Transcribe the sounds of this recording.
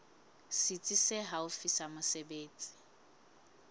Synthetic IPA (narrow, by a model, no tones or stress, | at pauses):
sit͡sʼiseɦaʊfisamʊsebeːt͡sʼi̥